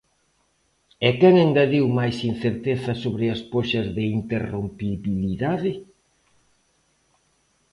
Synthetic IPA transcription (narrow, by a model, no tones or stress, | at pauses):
ɛkɛŋẽnd̪ɐðiwmajsin̟θeɾt̪eθɐsoβɾɪaspoʃɐzðɪint̪erompiβiliðaðɪ